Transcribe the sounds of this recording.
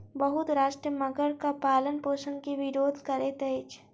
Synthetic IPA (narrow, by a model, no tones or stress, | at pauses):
bɐɦʊt̪ɾaːʃʈɾəmɐɡəɾkapaːlənpoːʃənkiʋɪɾoːd̪ʱkɐɾet̪eːt͡ʃ